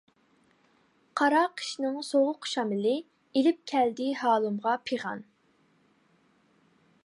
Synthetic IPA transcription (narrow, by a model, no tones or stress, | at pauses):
qʰɑɾɑqʰi̥ʃnɨŋsoʁʊqʃɑmɪlɪ | ilɪp̚kʲʰɛld̪ɪhɑːlˠɨmʁɑpʰeʁɑ̰n